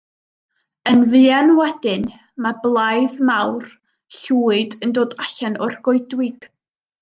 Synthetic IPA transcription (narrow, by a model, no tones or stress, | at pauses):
ənvɨanwɛd̥ɪn | mablˠajðmawr | ɬuːɨdəndoːdaɬanɔrɡɔjdwɪɡ̥